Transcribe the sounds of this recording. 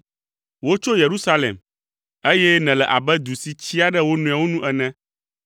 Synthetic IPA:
wo˦t͡ʃo˦je˨ɾu˦sa˦lḛ˨m | e˦jɛ˦nɛ̃˨lɛ˨ʔa˨bɛ˦d̪u˨si˨t͡ɕi˦a˦ɖɛ˦wo˦nũ˨a˨wo˦nũ˦ʔɛ˨nɛ̃˦

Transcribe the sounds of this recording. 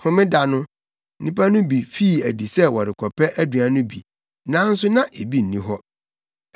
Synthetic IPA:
hʊ̃˦mɪ̃˦da˨nʊ̃˦ | nĩ˦pʰa˦nʊ̃˦bi˨fi˦˨æ˨di˨sɛ˦wɔ˨ɾɪ˨kʰɔ˨pʰɛ˦ʔæ˦dɥã˨nʊ̃˦bḭ˨ | nã˦n̩˦sʊ˦nã˦ʔe˨bi˦n̩˨nĩ˦ɦɔ˦

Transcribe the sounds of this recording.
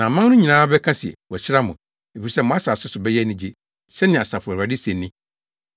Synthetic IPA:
nã˨mã˦nnʊ̃˦ɲĩ˨nãː˦bɛ˦kʰã˦sɪ˨ɛ̰˨wɔ˨ɕɪ˦ɾa˦mʊ̰̃˨ | e˨fi˨ɾi˨sɛ˦mɔ̃˨a˦saː˨sʊ˦sʊ˨bɛ˦jɛ˦nɪ̃˦d͡ʑe˦ | sɛ˦nɪ̃˨a˨sa˨fʊ˨a˨dɪ˦sẽ˨nːɪ̃˦

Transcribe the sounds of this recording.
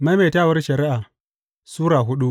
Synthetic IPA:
ma˦me˨taː˦wɐ˦rʃɐ˨ɾɪ˦ʔa˨ | suː˦ɾaː˨ɦʊ˦ɗu˦

